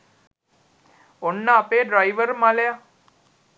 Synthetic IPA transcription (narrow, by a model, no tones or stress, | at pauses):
ɔɳːaːpeɖɾajʋəɾmãlja